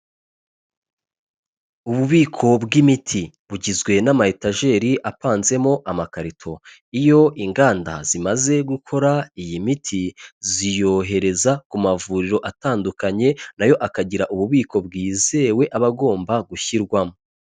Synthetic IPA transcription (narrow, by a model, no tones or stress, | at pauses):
uβuβiːkʰo̞bɡimitʰi | βuɟizɡwe̞namahetaʒe̞ːɾiʔapaːnze̞mo̞ʔamakaɾitʰo̞ | ijo̞ʔiŋɡaːnda̰z̥imaze̞ɡukʰo̞ɾaijimitʰizijo̞ɦe̞ɾe̞zakumavuːɾiɾo̞ʔataːndukaɲe̞najo̞ʔakaɟiɾaʔuβuβiːko̞bɡiːze̞we̞ʔaβaɡo̞ːmbaɡuçiɾɡwamo